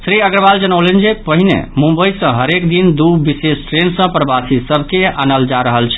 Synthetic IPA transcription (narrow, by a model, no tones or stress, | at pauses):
sɾiəɡɾəbald͡ʒənəwlend͡ʒepəɦinḛmũmbəjsə̃ɦəɾekd̪ind̪ubisesʈɾensə̃pɾəbasisəbʱkea̰nəld͡ʒaɾəɦəlt͡ʃʰɛ̥